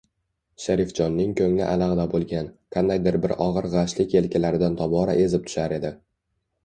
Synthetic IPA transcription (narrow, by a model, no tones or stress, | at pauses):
ʃaɾɪfd͡ʒɒnːɪŋkʲʰɵŋlɪ̰ʔalaʁɨd̪abolˠɡʲankʰand̪ajd̪ɪɾbɪɾʔɒʁɨɾʁɑʃlɪkʲe̞lkʲʰɪlaɾɪd̪ant̪ʰɒbɒɾa̰ʔe̞zɪp̚t̪ʰʊ̥ʃaɾe̞d̪ɪ